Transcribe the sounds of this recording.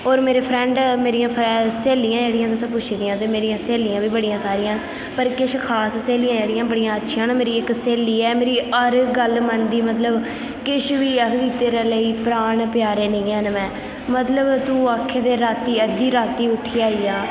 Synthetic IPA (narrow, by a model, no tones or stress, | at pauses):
oːɾmeːɾeːpʰɾɛ̃ːɳɖmeːɾijãːpʰɾɛseːlɪjãːd͡ʒeːɽɪjãːt̪̬ʊsãːpʊt͡ʃʰːd̪ɪjãːt̪eːmeːɾijãːseːlɪjãːbiːbəɽɪjãːsaːɾɪjãː | pəɾkɪʃkʰaːsseːlɪjãːd͡ʒeːɽɪjãːbəɽɪjãːətːʃʰjãːnːmeːɾiːɪkseːliːɛːmeːɾiːəɾɡəlmənd̪iːmət̪ləb | kɪʃʋiːəkʰd̪iːt̪eːɾaːləiːpɾaːɳpɪjaːɾeːnə̃ːaːnmɛ̃ː | mət̪ləbt̪ũːaːkʰːeːd̪eːɾaːt̪iːəd̪iːɾaːt̪iːʊʈʰiːaːiːaː